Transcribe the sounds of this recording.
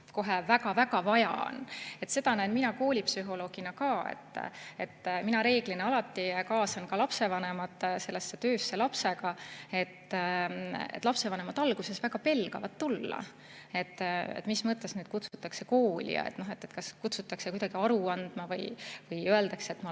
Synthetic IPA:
ko̞ɦevæɡɑvæɡɑvɑjɑ̰o̰ne̞t̪se̞d̪ɑnæjnminɑko̞ːlʲipsyɦo̞lo̞ːɡ̥inɑkɑːḛt̪ːe̞̰t̪ːminɑɾe̞ːɡ̥lineɑlɑt̪ːikɑːsɑnkɑlɑpse̞vɑne̞mɑt̪ːˑse̞lːesːe̞t̪ø̞ːsːe̞lɑpse̞ɡɑe̞t̪ː | ḛt̪ːˑlɑpse̞vɑne̞mɑd̪ɑlɡ̥use̞svæɡ̥ɑpe̞lɡ̥ɑvɑt̪ːulːɑ̰ | e̞t̪ːḛt̪mismɤt̪ːˑe̞snyːd̪̚kut̪sut̪ːˑɑkse̞ko̞ːlʲḭjɑ̰ḛt̪ːno̞ɦet̪ːˑet̪kɑskut̪sut̪ːˑɑksekujd̪ɑɡ̥iɑɾuɑnd̪̥mɑvɤjvɤjøe̞ld̪ɑkseet̪mɑ

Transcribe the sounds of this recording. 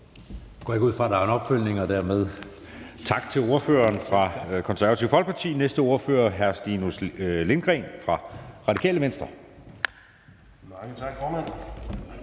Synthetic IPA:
ɡ̥ɒ̰eɡuð̞̰ˠfʁɑ̈d̥ɑ̈æɐenɒ̽b̥føl̰ne̝ŋɒd̥æɐmeð̞ˠ | t͡sʰɑ̈ɡ̥t͡sʰe̝lo̝ɐfø̰ːɐːnfʁɑ̈kʰɒ̽nsæɐʋɐt͡sʰiʊfɒl̰ɡ̥̚pʰɑ̈t͡sʰḭːnesd̥əo̝ɐfø̰ːɐɦæɐsd̥inusle̝nɡ̥ʁɛ̰nfʁɑ̈ʁɑ̈dikʰɛ̰ːləmensd̥ʁɐ | mɑŋət͡sʰɑ̈ɡ̥fɒːmæn̰

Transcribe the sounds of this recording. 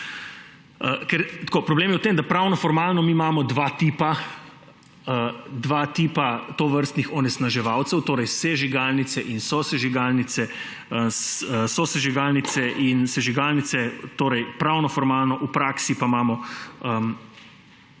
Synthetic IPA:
əkɛɾt̪kopɾɔbleːmjɛwt̪eːmd̪apɾawnɔfɔɾmaːlnɔmimaːmɔd̪ʋat̪iːpa | əd̪ʋat̪iːpat̪oʋəɾst̪nixɔnɛsnaʒɛʋawt̪sɛwt̪oːɾɛjsɛʒiɡaːlnit̪sɛʔinsɔsɛʒiɡaːlnit̪sɛ | əsəsɔsɛʒiɡaːlnit̪sɛʔinsɛʒiɡaːlnit̪sɛt̪oːɾɛjpɾawnɔfɔɾmaːlnɔʔupɾaksipamaːmɔəm

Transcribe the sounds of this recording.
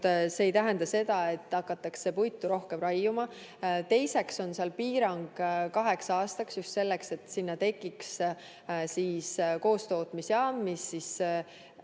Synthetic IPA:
se̞ːjt̪æɦend̪ɑse̞d̪̥ɑe̞t̪ˑːɑkːˑɑt̪ːˑɑkse̞pujt̪ːˑuɾo̞hke̞mrɑjːumɑ | t̪e̞jse̞kso̞nseɑlpiːɾɑŋɡ̥kɑɦe̞ksɑːst̪ɑksjust̪se̞lːe̞kse̞t̪ːˑsinːɑt̪e̞kːˑiks | siːsko̞ːst̪o̞ːt̪ˑmisjɑːmːisːis

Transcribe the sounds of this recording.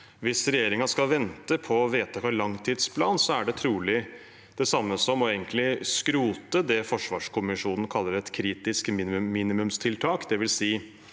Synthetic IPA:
ʋɪsɾɛjeːɾɪŋɑskɑlʋɛnt̪əpʰɔːʋeːt̪əkʰɑɭɑŋt̪ʰiːd̪spʰlɑːnsɔæɖɛt̪ʰɾuːlɪ | d̪̥ɛsɑmːəsɔmːɔeːɡənk̪lɪskɾuːt̪əd̪ɛfɔʂʋɑːʂkʊmɪʂuːnn̩kʰɑlːəɾɛt̪kʰɾiːt̪ɪskmiːnːiːnɪmʉmst̪ʰɪlt̪ʰɑːkd̪ɛʋɪlsiː

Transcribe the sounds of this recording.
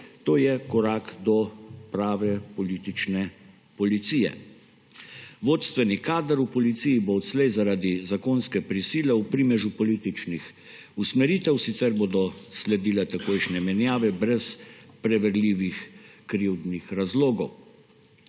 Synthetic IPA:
t̪oːjɛkɔɾaːkd̪ɔpɾaːʋɛpɔliːt̪it͡ʃnɛ | pɔlit̪siːjɛ̰ | ʋoːt̪st̪ʋɛnikaːd̪əɾupɔlit̪siːjiboːt̪slɛjzaɾaːd̪izakoːnskɛpɾisiːlɛupɾimɛʒupɔliːt̪it͡ʃnix | usmɛɾiːt̪ɛwsit̪sɛɾboːd̪ɔslɛd̪iːlat̪akoːjʃnɛmɛnjaːʋɛbɾɛspɾɛʋɛɾliːʋixkɾiwd̪nixɾazloːɡɔw

